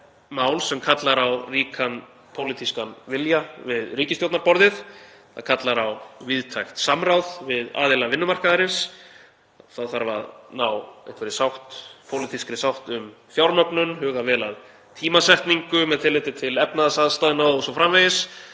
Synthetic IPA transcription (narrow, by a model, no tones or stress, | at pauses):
maːwlsɛmkʰat̪laɾawriːkʰan | pʰowlit̪ʰiskanvɪljavɪðriːcɪst̪jowt̪naɾpɔɾðɪθ | θa̰ðkʰat̪laɾawvɪðt̪ʰajxt̪samrawðvɪða̰ːðɪlavɪnːʏmar̥kaðaɾɪns | θaðθaɾva̰ðnawɛ̰̥kvɛɾɪsawht̪pʰowlɪt̪ʰiskɾɪsawht̪ʏm | fjawɾmœknʏnɦʏːɣavɛːlað | t̪ʰiːmasɛht̪niŋkʏmɛðt̪ɪlɪt̪ɪt̪ʰɪlɛpnaðasaðst̪ajnaɔsɔfɾamvejɪs